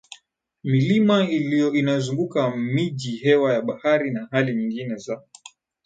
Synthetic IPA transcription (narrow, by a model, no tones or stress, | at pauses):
milimailijɔinazuŋɡukamiʄihɛwajaɓahaɾinahaliɲiŋɡinɛza